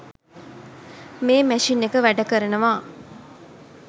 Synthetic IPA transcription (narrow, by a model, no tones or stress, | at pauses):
meːmæʂinːekəʋæɖəkəɾənəʋaː